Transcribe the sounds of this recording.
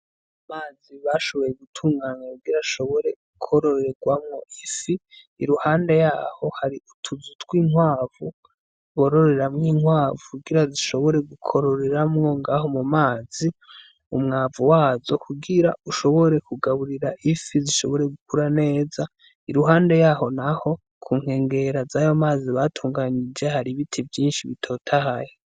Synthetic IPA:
amaːziβaʃo̞βo̞jeɡutʰuːŋɡaːɲakuɡiɾaʃo̞βo̞ɾe̞ɡukʰo̞ɾo̞ɾɾeɡwamŋo̞ʔifiː | ɾuhaːndejaːho̞haɾiʔutʰuzutɡwiːŋwaːvu | βo̞ɾoɾe̞ɾamŋiːŋhwaːvuuɡiɾaziʃo̞βo̞ɾe̞ɡukʰo̞ɾoɾeɾamŋo̞ŋɡaho̞mumaːz̥i | umŋaːvuwaːzo̞kʰuɡiɾa̰uʃo̞βo̞ɾe̞kuɡaβuɾiɾaʔifiziʃo̞βo̞ɾe̞ɡukuɾane̞ːza | iɾuɦaːnde̞jaːho̞naho̞ | kʰuːŋ̥he̞ːŋɡe̞ɾazajomaːziβaːtʰuːŋɡaɲid͡ʒe̞haɾiβitʰivjiːnʃiβitʰo̞ːtʰahaje

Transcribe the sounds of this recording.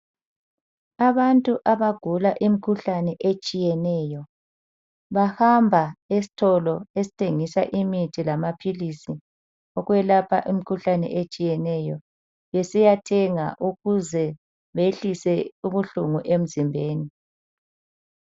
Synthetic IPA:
aβantʼuʔaβaɡ̥ʱulaʔimikʰuɬanɛʔet͡ʃʼijɛnɛjɔ | βahambʱaesi̥tʰɔlɔesi̥tʰeŋisa̰ʔimitʰilamapʰilisi | ɔɣwɛlapʰa̰ʔimikʰuɬanɛ̰ʔet͡ʃʼijɛnɛjɔ | βɛsijatʰɛŋa̰ʔuɣuzɛ | βeɬisɛuβuɬuŋuʔem̩zimbʱeːni

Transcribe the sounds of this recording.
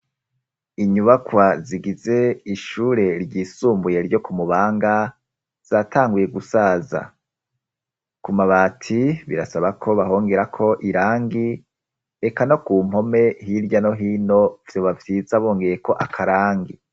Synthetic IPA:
iɲuβakwaziɡize̞iʃuːɾe̞ɾɟiːsuːmbuje̞ɾɟo̞kumuβaːŋɡa | z̥aːtʰaːŋɡuje̞ɡusaːza̰ | kumaβaːtʰiβiɾasaβakʰo̞βaɦo̞ːŋɡe̞ɾakʰo̞ʔiɾaːŋɡi | ekano̞kuːm̥ho̞me̞ɦiɾɟano̞ɦiːno̞vjo̞βavjiːzaβo̞ːŋɡe̞je̞ko̞ʔakʰaɾaːŋɡi

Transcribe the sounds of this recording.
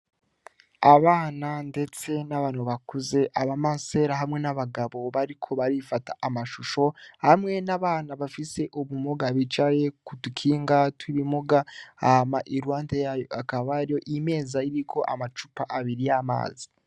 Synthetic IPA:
aβaːnande̞t͡se̞naβaːnhuβakuze̞ʔaβamase̞ɾaɦamŋe̞naβaɡaβo̞βaɾikʰo̞βaɾifatḁamaʃuʃo̞hamŋe̞naβaːnaβafise̞ʔuβumoɡaβit͡ʃaje̞kutukʰiːŋɡatʰuɾimuɡaahamaʔiɾwaːntejajoakaβaɾijo̞ʔime̞ːzaiɾikʰo̞ʔa̰mat͡ʃupaʔaβiɾijama̰ːzi̥

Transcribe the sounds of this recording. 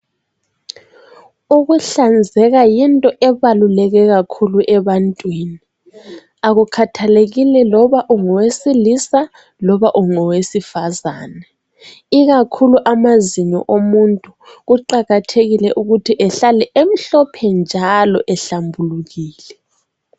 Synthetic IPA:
uɣuɬand͡zʱɛɣajintʼɔʔɛβalulɛɣɛɣakʰuluʔɛβantʼwini | aɣukʰatʰaleɣilɛlɔβaʔuŋɔwesilisa | lɔβaʔuŋɔwesifazaːnɛ | iɣakʰuluʔamaziɲɔ̰ʔomuntʼuɣuǃaɣatʰeɣilɛʔuɣutʰiʔɛɬalɛʔem̩ɬɔpʰɛnd͡ʒʱalɔʔɛɬambʱuluɣiːlɛ

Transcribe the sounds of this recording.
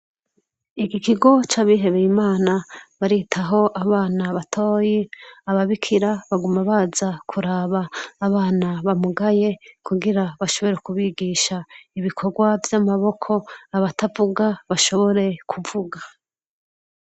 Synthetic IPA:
ikikiɡo̞t͡ʃaːβiɦe̞βejimaːnaβaɾitʰaɦo̞ʔaβaːnaβatʰo̞ːjiaβaβikʰiɾaβaɡumaβazakʰuɾaːβaːβaːnaβamuɡaje̞kuɡiɾaβaʃo̞βo̞ɾe̞kuβiɡiːʃaiβikʰo̞ɡwavjamaβo̞kʰo̞aβatavuɡaβaʃo̞βo̞ɾe̞kʰuvuɡa

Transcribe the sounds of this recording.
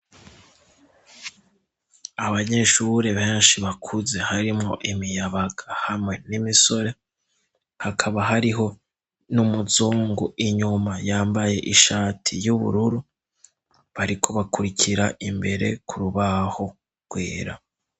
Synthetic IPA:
aβaɲe̞ʃuɾe̞βe̞ːnʃiβakʰuze̞haɾimŋo̞ʔimijaβaɡahamŋe̞nimiso̞ɾe̞ | hakʰaβaɦaɾiɦo̞ | numuzuːŋɡuʔiɲumajaːmbaje̞ʔiʃaːtʰijuβṵɾuɾu | βaɾikʰo̞βakuɾicʰiɾaʔimbe̞ɾe̞̰kʰuɾuβaho̞ | ɡ̥wḛːɾa̰

